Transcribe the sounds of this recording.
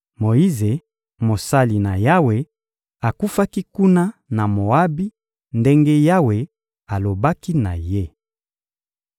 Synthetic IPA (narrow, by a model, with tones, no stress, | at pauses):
mo˨ji˦ze˨ | mo˨sa˦li˨na˨ja˦we˨ | a˨ku˦fa˦ki˦ku˦na˦na˨mo˨a˦bi˦ | nde˦ŋɡe˦ja˦we˨ | a˨lo˨ba˦ki˦na̰˨je˦